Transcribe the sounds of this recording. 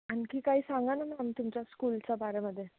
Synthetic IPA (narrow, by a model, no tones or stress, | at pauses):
ankikaɦiːsãŋɡanamamt̪umt͡ɕjaskult͡sabaɾaməd̪ʱːje